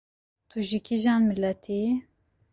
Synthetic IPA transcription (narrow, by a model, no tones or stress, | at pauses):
t̪ʰuʒikiʒɑːnmilɛt̪ʰi